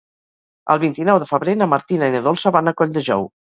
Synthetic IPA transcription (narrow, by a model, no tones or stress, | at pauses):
ə̰lˠβint̪inɔwðəfəβɾenəmaɾt̪inainəðolˠsəβanakɔʎd̪əʒɔ̰w